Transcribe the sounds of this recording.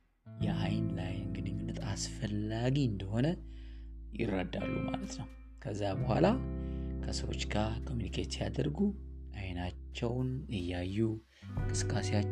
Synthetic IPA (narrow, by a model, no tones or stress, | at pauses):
jɛʔajnlajnɡɨnɨɲːunːət̪asfəlːaɡiɨnd̪əho̞nə | jɪ̰rːəd̪a̰lːuma̰lət̪nəw | kʰəzːabəhʷa̰lakʰəsəwo̞̰t͡ʃːɡakʰo̞mjunikʰet̪jad̪əɾɡuʔajnat͡ʃːɛwnɨjːajːu | ŋkʼɨsɨ̥kʼːasea